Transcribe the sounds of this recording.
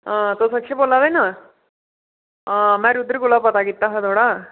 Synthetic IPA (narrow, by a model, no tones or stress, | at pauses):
ə̃t̪osəkʂebolːad̪ajna | əmɛɾud̪ɾkulapət̪aɡit̪ːaɦad̪ʱoɽa